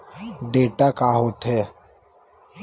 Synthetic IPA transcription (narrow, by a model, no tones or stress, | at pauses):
ɖeːʈakaːɦoːt̪ɦɛː